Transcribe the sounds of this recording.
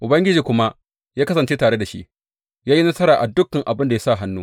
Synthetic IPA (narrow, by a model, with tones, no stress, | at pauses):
ʔʊ˨bɐ˦ŋɡʲɪ˦d͡ʒiː˨kʷʊ˦ma˦ | jaː˦kɐ˦sɐ˨nt͡ʃe˦taː˨ɽe˦da˨ʃḭ˦ʔ | jaː˦ji˦nɐ˦sɐ˦ɾaː˨ʔa˨dʊ˦kːa˨ŋʔa˨bɪ˦nda˨ja˦sa˦˨ɦa˦nːuː˦